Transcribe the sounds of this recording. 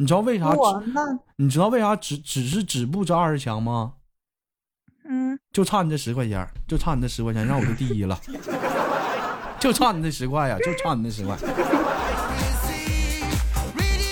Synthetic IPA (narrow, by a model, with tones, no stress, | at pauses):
ni˨˩ʈ͡ʂɻ̩˧˥ɑ˥˧we˥˩ɪt̪ʰa˥˧˥ni˨˩ʈ͡ʂɻ̩˥t̪ɑ˥˧ʊwe˥˩ɪt̪ʰa˥ʈ͡ʂɻ̩˧˥ʈ͡ʂɻ̩˨˩ʂ̬ɻ̩˥˩ʈ͡ʂɻ̩˨˩p̬u˥˧ʈ͡ʂə˧a˞˥˧˥t͡ɕʰjɑ˧˥ŋmɐ˧˥˩ | t͡ɕjo˥˧ʊʈ͡ʂʰwa˥˩ni˨˩d̪ə˦ʂɻ̩˧˥kwa˥˧ɪt͡ɕjɛ̰˧˥t͡ɕjo˥˧ʈ͡ʂʰa˥˩n˨˩d̪ə˧ʂɻ̩˧˥kwt͡ɕʰa˥˧˥ɻɑ˥˩ŋwɔ˨˩jo˥˧ʊt̪i˥˧˩i˥˩lə̰˨ | t͡ɕjo˥˧ʊʈ͡ʂʰwa˥˩ni˨˩˥d̪ə˧ʂɻ̩˧˥kwa˥˩ja̰˩t͡ɕjo˥˧ʊʈ͡ʂʰwa˥˩ni˨˥d̪ə˧ʂɻ̩˧˥kwa̰˥˩ɪ˥